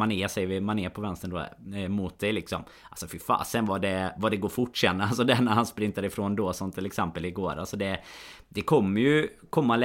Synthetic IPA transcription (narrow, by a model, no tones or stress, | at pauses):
anɪsɛjəvɪmanɪːpʰɔvɛnst̪ənd̪o̰ːmʊt̪̚d̪ɛjlɪksɔm | alsɔfɪfa̰ːsɛnvaɖɛvaɖɛɡoːɾfʊʈːʂɛnːəalsɔd̪ɛæɳæɾhanspɾɪnt̪aɾɪfɾoːnd̪oːsɔmt̪ʰːɪlɛksɛmpəlɪɡoːɾalsɔd̪ɛ | d̪ɛkʰɔmːəɾjɵ | kʰɔmːal